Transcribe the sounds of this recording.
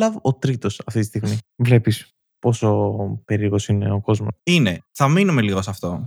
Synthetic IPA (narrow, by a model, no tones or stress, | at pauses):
lɐvot̪ɾit̪o̞sɐft̪it̪ist̪iɣmivle̞pis | po̞so̞pe̞ɾiɾoɣo̞sine̞oko̞zmoine̞θɐminumeliɣosɐft̪o̞